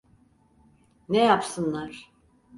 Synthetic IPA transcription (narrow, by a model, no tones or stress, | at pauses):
nejapsɯnlˠaɾ̥